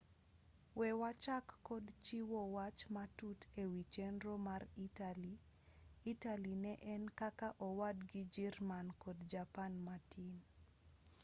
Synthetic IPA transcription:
wɛwat͡ʃakːɔdt͡ʃiwɔwat͡ʃmatutewit͡ʃenɾomaritali | italinɛʔɛnkakaʔɔwadɡid͡ʒirmankɔdd͡ʒapanmatʰin

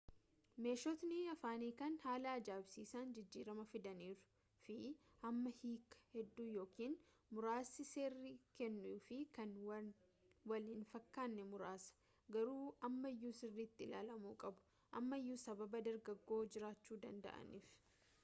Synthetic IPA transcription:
me̞ːʃɔt̪nɪɐfaːniːkɐnhaːlɐɐd͡ʒaːbsiːsaːnd͡ʒɪd͡ʒːiːɾɐmɐfɪd̪ɐniːɾʊ̥ | fɪ | ʔɐmːɐhiːkːɐ̥hɛd̪ːuːjo̞ːkiːn | mʊɾaːsɪseːrːikɛnːʊʊfɪkɐn | wɐlɪnfɐkːaːnːɛmʊɾaːsɐ̥ | ɡɐɾuːʔɐmːɐɪjːuːsɪrːiːt̪ːɪɪlaːlɐmuːkʼɐbʊ̥ | ʔɐmːɐɪjːuːsɐbɐbɐd̪ɐɾɡɐɡːo̞ːd͡ʒɪɾaːt͡ʃːuːd̪ɐnd̪ɐ̰ʔɐ̰niːf

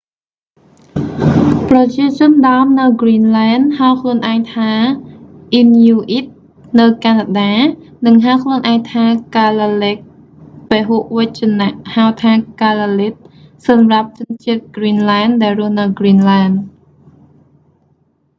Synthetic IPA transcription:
prɑt͡ɕiət͡ɕʊ̆ənɗaəmnɨwɡriːnlaɛnhaəwkʰluənʔaɛŋt̪ʰaː | ʔinjuːʔit̪̚ | nɨwkaːnaɗaː | nɨŋɦawkʰluənʔaɛŋt̪ʰaːkalalɛːk̚ | peɦuʔʋəc̚t͡ɕinaʔhawt̪ʰaːkalalit̪̚sɑmrap̚t͡ɕʊ̆ənt͡ɕiət̪̚ɡriːnlaɛnɗaɛlrʊəhnɨwɡriːnlaɛn

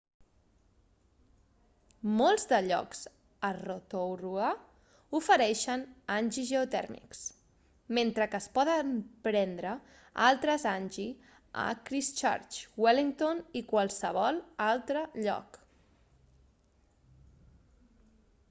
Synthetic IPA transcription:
molˠzd̪əʎɔ̰ks | ərot̪orua | ufəɾɛʃənanʲʒizʒəut̪ɛ̰ɾmḭks | ment̪ɾəkəːspɔðəmpɾɛnd̪ɾə | alˠt̪ɾəzanʲʒi | ə̰kɾist͡ʃa̰ɾt͡ʃweliŋt̪onikwalˠsəβ̞ɔlˠalˠt̪ɾəʎɔ̰k

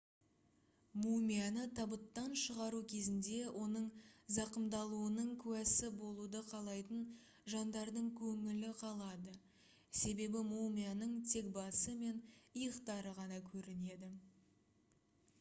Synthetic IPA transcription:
mumʲianət̪ʰɑbət̪ːɑnʃəʁɑɾukʲʰe̞zɪnd̪e̞wʔo̞nəɴzɑqəmd̪ɑlˠuənəɴkʲʰʉwæsɪbo̞lˠud̪əqʰɑlˠɑjt̪ən | ʒɑnd̪ɑɾd̪əɴkʲʰɵŋɪlɪqʰɑlˠɑd̪ə | se̞be̞bɪmumʲijanəɴt̪ʰe̞k̚bɑsəme̞nəjəqt̪ɑɾəʁɑnɑkʲʰɵɾɪne̞d̪ɪ

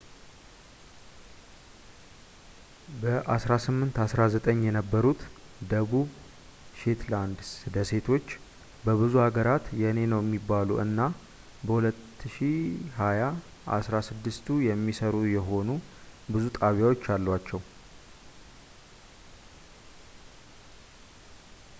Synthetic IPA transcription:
bəʔasɾasɨmːɨnt̪asɾazət̪ʼəɲːjɛnəbːəɾut̪ | d̪əβuβ | ʃe̞t̪land̪sɨd̪əse̞t̪ʰo̞t͡ʃː | bəβɨzuhaɡəɾat̪jɛne̞nəwjɛmːibːaluɨnːa | bəhulət̪ːɨʃihaja | ʔa̰sɾasɨd̪ːɨst̪ʰujɛmːisəɾujɛɦo̞nubɨzut̪ʼaβjawo̞t͡ʃːalːwat͡ʃːɛw

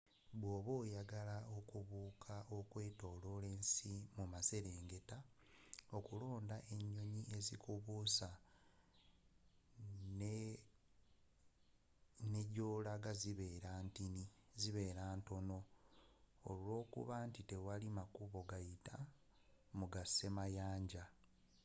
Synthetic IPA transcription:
βwoːβoːjaɡalao̞kuβuːkʰaʔo̞kwe̞ːto̞ːlo̞le̞ːnsimumase̞ɾeːŋɡe̞ta | okulo̞ːndaʔe̞ɲːo̞ɲie̞zikʰuβusa | n | neɟo̞ːlaɡaziβe̞ːɾaːntiniziβe̞ːɾaːnto̞no̞ | o̰lo̞ːkṵβantite̞walimakuβo̞ɡajita | muɡase̞majaːɲɟa

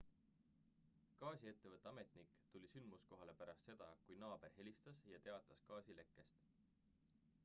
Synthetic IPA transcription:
kɑːsʲie̞t̪ːe̞vɤt̪ːˑeɑme̞t̪ˑnikːt̪ulʲisynd̪musko̞ɦɑle̞pæɾɑst̪se̞d̪̥ɑ̰kujnɑːb̥e̞rɦe̞lʲist̪ɑsjɑt̪e̞ɑt̪ːˑɑskɑːsʲile̞kːˑe̞st̪

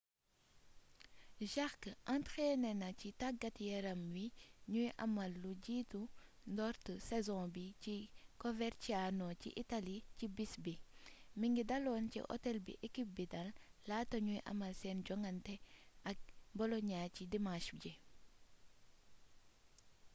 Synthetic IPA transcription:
ʒaxkʔantxeːnɛnɐcitaɡɐtjɛɾɐmwiɲujʔɐ̰mɐlːuɟiːtundɔɾtəsɛzɔ̃bicikɔvɛɾt͡ʃianɔcḭʔitalicibisbimiŋɡidɐlɔːncḭʔɔ̰tɛlbḭʔekip̚bidɐlːaːtoɲujʔɐ̰mɐlsɛːnɟɔŋɡɐntɛʔɐk̚bɔlɔɲaːcidimãʃɟɛ

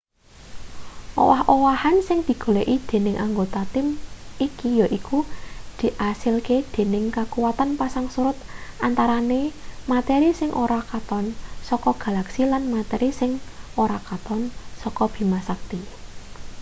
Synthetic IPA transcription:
ʔo̰wahʔowahansɪŋd̪̥i̤ɡ̥o̤leʔid̪̥e̤nɪŋʔaŋɡot̪at̪ɪmikijɔʔikud̪̥i̤ʔasɪlked̪̥e̤nɪŋkakuwat̪anpasaŋsuɾʊt̪̚ʔant̪aɾanemat̪ɛɾisɪŋʔoɾakat̪ɔnsɔkɔɡ̥a̤laksilanmat̪ɛɾisɪŋʔoɾakat̪ɔnsɔkɔb̥i̤masak̚t̪i

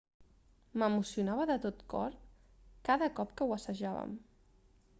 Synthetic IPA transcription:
məmusiunaβəðət̪ot̪kɔ̰ɾ | kaðəkɔpkəwəsəʒaβə̰m

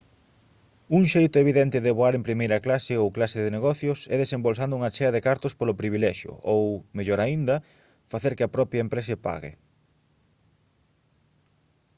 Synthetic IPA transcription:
uŋʃejt̪ʊeβ̞iðɛnt̪ɪðeβoaɾempɾimejɾɐklasɪowklasɪðɪneɣɔθjʊsɛðesembols̬and̪ʊuŋat͡ʃɛɐðekaɾt̪ʊspolʊpɾiβ̞ilɛʃjʊ̰ʔowmeʎoɾaind̪ɐ | faθeɾkɪɐpɾɔpɾjɐempɾɛsepa̰ɣɪ̰

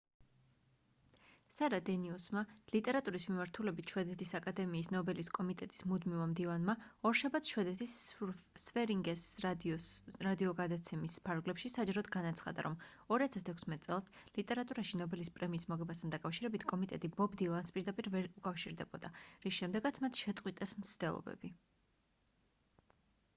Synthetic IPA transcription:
saɾad̪ɛniusmalit̪ʼɛɾat̪ʼuɾismimaɾt̪ʰulɛbit̪ʰʃwɛd̪ɛt̪ʰisakʼad̪ɛmiːsnɔbɛliskʼɔmit̪ʼɛt̪ʼi̥smud̪mivamd̪ivanmaɔɾʃabat̪sʰʃwɛd̪ɛt̪ʰis | svɛɾiŋɡɛs | ɾad̪iɔɡad̪at̪sʰɛmispʰaɾɡlɛpʃisad͡ʒaɾɔd̪ɡanat̪sʰχa̰d̪a̰ɾʔɔm | ɔɾiat̪ʰast̪ʰɛkʰʷsmɛt̪̚ʼt̪sʼɛlˠslit̪ʼɛɾat̪ʼuɾaʃinɔbɛlispʼɾɛmiːsmɔʁɛbast̪ʰand̪akʼafʃiɾɛbit̪ʰkʼɔmit̪ʼɛt̪ʼibɔbd̪ilˠanspʼiɾd̪apʼiɾvɛɾukʼafʃiɾd̪ɛbɔd̪aɾisʃɛmd̪ɛɡat̪sʰmat̪ʰʃɛt̪sʼqʼwit̪ʼɛsm̩t̪sʰd̪̥ɛlˠɔ̰bɛ̰b̥i

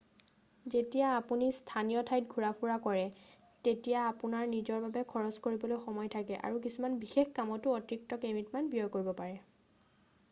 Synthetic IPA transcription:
zetijaːpunistʰanijɔtʰajtɡʱuɹapʰuɹakɔɹɛ | tetijaːpunaɹnizɔɹbabɛkʰɔɹɔskoɹibɔlojxɔmɔjtʰakɛʔa̰ɹuk̬isumanbixexkamɔtʊɔtɹik̚tɔkemitmanbijɔjkoɹibɔpaɹɛ

